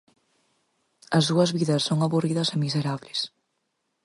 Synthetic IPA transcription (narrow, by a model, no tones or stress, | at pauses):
ɐzðuɐzβiðɐsːoŋaβuriðɐsemiseɾaβlɪs